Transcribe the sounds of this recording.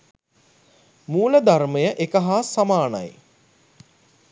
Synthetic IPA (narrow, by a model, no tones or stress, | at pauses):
muːləd̪arməjəʔekəɦaːsamaːna̰j